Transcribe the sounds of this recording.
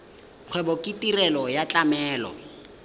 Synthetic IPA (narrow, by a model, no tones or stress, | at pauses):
k͡xʰwɛbɔkʼitʼirɛlɔjat͡ɬʼamɛːlɔ̰